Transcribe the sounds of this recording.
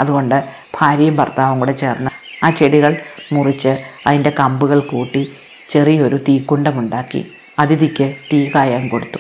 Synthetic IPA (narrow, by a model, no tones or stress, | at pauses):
ɐðuɣo̞ɳɖɨ | b̥ʱaːɾijɐmpɐ̰rt̪aːʋɐŋuɽet͡ɕe̞ːrnːɐ | aːt͡ɕe̞ɽiɣɐɭmurit͡ɕːɨɐðinde̞kɐmbuɣɐɭkuːʈːi | t͡ɕe̞rijɐo̞ɾut̪iːkːuɳɖɐmuɳɖaːkːḭ | ɐðiðikʲːɨt̪iːkaːjaːnko̞ɽut̪ːu̥